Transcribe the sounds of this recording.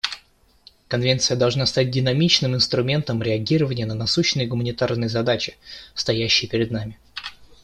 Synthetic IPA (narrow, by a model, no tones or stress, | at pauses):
kɐnvʲe̞nt̪sɨjəd̪ɐlˠʐnast̪at̚ʲdʲɪnɐmʲit͡ɕnɨmɪnst̪ɾʊmʲe̞nt̪əmɾʲɪɐɡʲiɾəvənʲɪjənənɐsuɕːɪnɨjɡʊmənʲɪt̪arnɨjəzɐd̪at͡ɕɪ̥st̪ɐjæɕːɪjəpʲɪɾʲɪd̪namʲɪ